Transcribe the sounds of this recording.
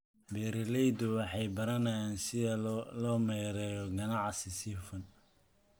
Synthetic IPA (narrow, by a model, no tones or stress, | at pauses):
bɛːɾɪlɛjd̪ʊwɑħɑjbɐɾɐnɐjaːnsɪðɐlɔːmɛjɾɛːjɔɡɐnɑʕsɪsifɐn